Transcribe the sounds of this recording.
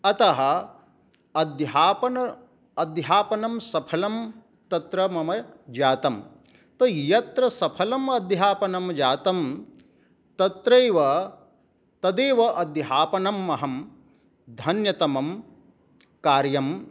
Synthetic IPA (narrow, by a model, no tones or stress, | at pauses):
ɐt̪ɐɦɐ̆ | ɐd̪ɦaːpɐnɐ | ɐd̪ɦaːpɐnɐmsɐpʰɐlɐm | t̪ɐt̪ɾɐmɐmɐd͡ʒaːt̪ɐm | t̪ɐjɐt̪ɾɐsɐpʰɐlɐmɐd̪jaːpɐnɐmd͡ʒaːt̪ɐm | t̪ɐt̪ɾeːʋɐ | t̪ɐd̪eːʋɐʔɐd̪jɦaːpɐnɐmːɐɦɐm | d̪ʱɐnjɐt̪ɐmɐm | kaːɾjɐm